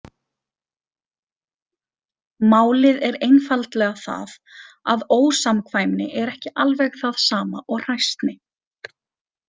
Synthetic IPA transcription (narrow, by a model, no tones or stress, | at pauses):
maːwlɪðɛɾejnfalt̪lɛɣaθa̰ð | a̰ðoːwsamkʰvajmnɪʔɛɾɛhcɪʔalvɛɣθaðsaːmaʔɔɣr̥ajst̪nɪ